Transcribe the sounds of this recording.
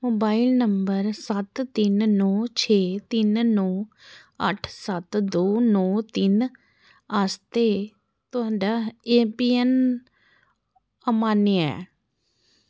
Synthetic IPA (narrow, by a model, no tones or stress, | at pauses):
moːbaːɪlnəmbəɾsət̪t̪ɪnnɔːt͡ʃʰeːt̪ɪnnɔː | əʈʰsət̪d̪oːnɔːt̪ɪn | əst̪eː | t̪ʊɦaːɳɖaːeːpiːɛn | əmaːneɛ̰ː